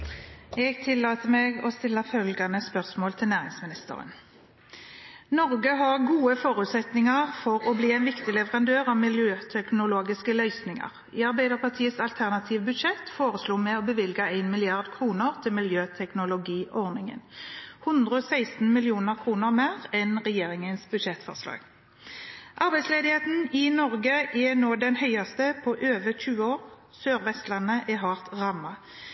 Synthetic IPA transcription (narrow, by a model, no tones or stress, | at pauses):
ɛɡt̪ʰɪlːɑːt̪əmeːɡɔst̪ɪlːəfœlɡɑnəspœʁsmoːlt̪ʰɪlnæːʁɪŋsmɪnɪst̪ə̰ʁə̰n | nɔʁɡəɦɑʁɡuːəfɔːʁʉːt̪sɛt̪nɪŋɑʁfɔʁɔbliːæɪnʋɪkt̪ɪlɛʋəʁɑnd̪øːʁɑʋmɪljøːt̪ʰɛknʊloːɡɪskəlœʏsnɪŋɑ̰ʁ | iːɑʁbæɪd̪əʁpʰɑʁt̪ʰiːəsɑlt̪ʰæʁnɑt̪ʰiːʋbʉd̪ʃɛt̪ːfoːʁəsluːmɛɔbəʋɪlɡəæɪnmɪlɪɑʁd̪kʰʁuːnəʁt̪ʰɪlmɪljøːt̪ʰɛknʊlʊɡiːʔɔʁnɪŋə̰nhʊnd̪ʁəɔːsæɪst̪n̩mɪlɪuːnəʁkʰʁuːnəʁmæːʁɛnʁɛjeːʁɪŋənsbʉd̪ʃɛt̪fɔ̰ʁslɑ̰ːɡ̥ | ʔɑʁbæɪsleːd̪ɪheːt̪n̩ɪnɔʁɡəʔɛnoːd̪ɛnhœʏɑst̪əpʰɔʔøːʋəçʉːəoːʁ | søːʁʋɛst̪lɑnːəʔɛɦɑʁt̪ʁɑmːɑ